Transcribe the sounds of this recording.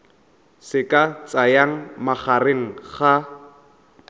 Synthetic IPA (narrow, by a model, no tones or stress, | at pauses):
sɪkʼat͡sʼajaŋ̩maχareŋ̩χa